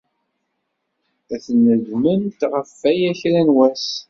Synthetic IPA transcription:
æθənəʝmənt̪ʁəfːæjæçɾænwæs

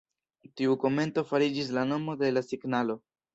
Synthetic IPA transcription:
tiuko̞me̞nto̞faɾid͡ʒis̬lano̞mo̞de̞lasiɡnalo̞

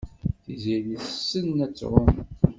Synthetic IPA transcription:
θiziliθsːənːæt͡sːɾom

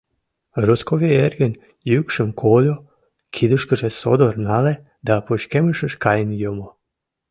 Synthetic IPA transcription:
ruskoβierɡən | jykʃəmkʰolʲo | kʰid̪uʃkəʒeso̰d̪ornale | d̪apoʃkeməʃəʃkajənjomo

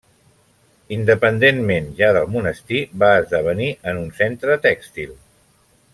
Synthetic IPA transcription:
ind̪əpənd̪enmenʒaðəlˠmunəst̪iβaəzðəβ̞əniʔənunsent̪ɾət̪ɛkst̪ilˠ

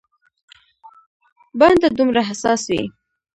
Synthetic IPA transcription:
band̪ad̪umɾaɦasɑswḭ

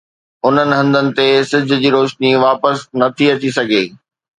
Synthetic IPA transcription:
ʊn̤ənɪ̆ɦɐ̃nd̪ənɪ̆t̪esɪd͡ʑʱʊ̆d͡ʑiːɾoːʃniʋaːpəsnɐt̪ʰiɐt͡ɕisɐɡʱeː

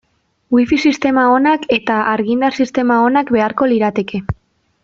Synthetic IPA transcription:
wifisist̪e̞mao̞nake̞t̪aʔaɾɣind̪arsist̪e̞mao̞nakbe̞aɾko̞liɾat̪e̞ke̞

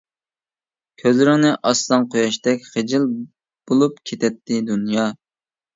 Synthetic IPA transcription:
kʲʰøzɾɪnɪʔɑslˠɑnqʰojɑʃt̪ɛkʲχed͡ʒɪl | b̥olˠupkʲʰet̪ʰɛt̪ʰːɪd̪unjɑ

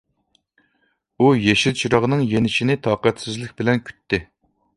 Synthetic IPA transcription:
ujeʃilt͡ʃʰiɾɑʁnɨŋjenɪʃinɪt̪ʰɑːqæt̪sɪzlɪk̚ʲbɪlɛnkʲʰy̥t̪ʰːɪ

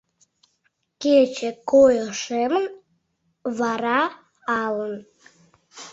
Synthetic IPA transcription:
ket͡ɕekojəʃemən | βɑɾɑ | ɑlən

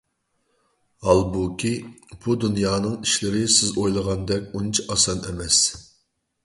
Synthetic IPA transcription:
hɑlˠbukʲʰib̥ud̪unjɑːnɨŋiʃlɪɾɪsɪzojlˠəʁɑnd̪ɛkʲunt͡ʃʰiʔɑsɑnɛmɛs

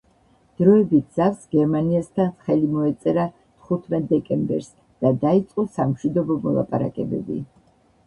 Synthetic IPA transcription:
d̪̥ɾɔɛbit̪̚ʰz̥afsɡɛɾmaniast̪ʰanχɛlimɔɛt̪sʼɛɾa | t̪ʰχut̪ʰmɛt̪̚d̪ɛkʼɛmbɛ̰ɾs | d̪̥ad̪ait̪sʼqʼɔsamʃwid̪ɔbɔmɔ̰lˠa̰pʼaɾa̰kʼɛbɛ̰bḭ

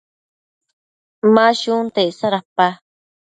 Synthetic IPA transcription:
mãʃunt̪esaɾapa

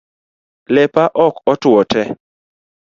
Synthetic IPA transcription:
lɛpaʔɔkɔtwɔtɛ

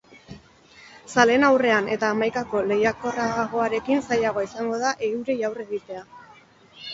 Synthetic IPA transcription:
sale̞nawre̞ane̞t̪aːmajkako̞le̞jako̞raɣ̞o̞aɾe̞kinsajaɣ̞o̞isaŋɡo̞ðaʔe̞ɣuɾejawre̞ɣit̪e̞a

